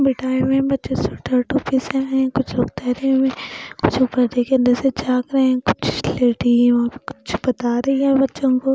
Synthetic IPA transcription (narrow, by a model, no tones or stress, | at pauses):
bɪʈʰaːemẽbɐtːʃẽsʊʈʰəɾʈupisẽɦɛ̃kʊt͡ʃʰɾoːkt̪ɛːɾɐẽmẽkʊt͡ʃʰupəɾdekeɐ̃nd̪əɾsed͡ʒaːkɾɐɦẽɛ̃kʊ̥t͡ʃʰleːʈiʋãbikʊ̥t͡ʃʰbɐt̪aːɾɐɦiɦɛ̃bɐtːʃõkoː